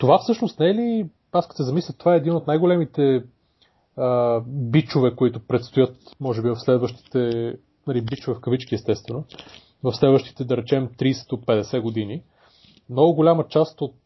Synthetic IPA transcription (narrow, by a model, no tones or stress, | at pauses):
t̪ovafsɤʃnost̪nɛɛli | askə̥sɛzɐmislʲət̪ːovaɛːd̪inot̪najɡolɛmit̪ɛ | əbit͡ʃovɛkoit̪ʊpɾɛt̪st̪ojɤt̪mɔʒɛbivɐfslɛd̪vəʃt̪i̥t̪ɛ | nɐlibit͡ʃovɛfkɐvit͡ʃkiɛst̪ɛst̪vɛno | vɐfslɛd̪vəʃt̪i̥t̪ɛd̪ɐɾɛt͡ʃɛmt̪ɾiːsɛ̥d̪opɛd̪ɛsɛɡod̪ini | mnɔɡʊɡolʲamət͡ʃast̪ot̪̚